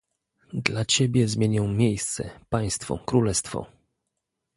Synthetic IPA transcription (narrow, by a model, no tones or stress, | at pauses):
d̪lat͡ɕebʲjɛzmʲjeɲɔ̃w̃mʲjejst̪sɛ̰paj̃st̪fɔ̰kɾulɛst̪fɔ̰